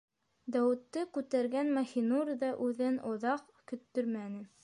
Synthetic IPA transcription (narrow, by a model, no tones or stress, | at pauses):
d̪æwɘ̆t̪ːɤkʉt̪æɾɡænmɑxinuɾʲðɑʔʉðɘnŏðɑq | kɵ̆t̪ːɵɾmænɘ